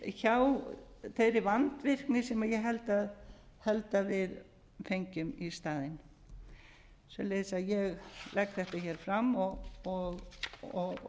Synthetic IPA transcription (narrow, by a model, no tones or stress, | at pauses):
çawθeɾɪvant̪vɪr̥knɪsɛmaðjɛɣɦɛlt̪aðhɛlt̪avɪð | fejɲcʏmist̪aːðɪn | svɛ̰leːðsaðjɛɣlɛkθɛht̪açɛːɾ̥fɾamːɔɣɔɣɔɣ